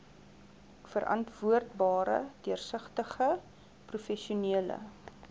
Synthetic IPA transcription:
fəɾʔɐ̰ntvuərdbɑːɾə̰døərsəχtəχə | prufɛʃiuniələ̰

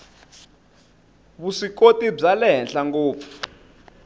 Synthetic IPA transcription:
βusik̬otʼib͡ʐalɛɦɛnɬaŋɡoːpʰɔ̥

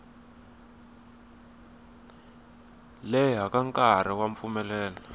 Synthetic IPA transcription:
lɛɦakaŋkaɾ̤iwaɱfumɛlɛːnɛ

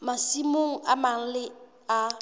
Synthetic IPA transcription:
masimoŋ̩amaŋ̩lɪ | a

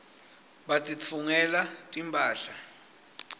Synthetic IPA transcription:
ɓatʼit͡fʰuŋɛlatʼimpʼaːɬa

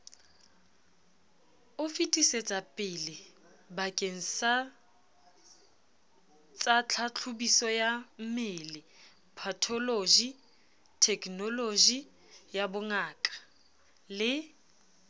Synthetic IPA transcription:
ʊfitʼiset͡sʼapʼɪlɪ | bakʼeŋ̩sa | t͡sʼat͡ɬʰat͡ɬʰʊbisɔjam̩mɪlɪ | pʰatʰɔlod͡ʒi | tʰɛkʰʼnɔlod͡ʒi | jabʊŋaːkʼḁ | lɪ

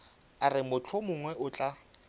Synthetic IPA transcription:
arɪmʊt͡ɬʰɔmʊŋwɛʔʊt͡ɬʼa

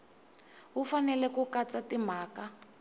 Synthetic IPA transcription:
ufanɛlɛkukat͡satim̤aːka

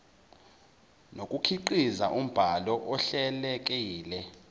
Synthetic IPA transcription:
nokʼukʰiǃizaʔum̩b̥ʱalɔʔɔɬɛlɛk̬ʼiːlɛ

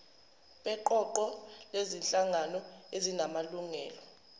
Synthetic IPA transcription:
ɓʼɛǃɔǃɔlezinɬʼaŋanɔezinamaluŋɛːlɔ

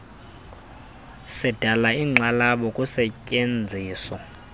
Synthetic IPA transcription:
sɛd̥ʱalaiːŋ͡ǁalaɓɔkʼusɛcʼend͡zʱiːsɔ

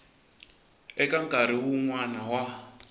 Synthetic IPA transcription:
ɛkaŋkʼaɾiwuŋwanawa

